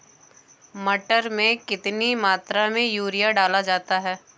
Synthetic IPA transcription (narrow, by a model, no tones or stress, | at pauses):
mɐʈəɾmẽkɪt̪nimaːt̪ɾamẽjuːɾijaɖaːlad͡ʒaːt̪aɦɛː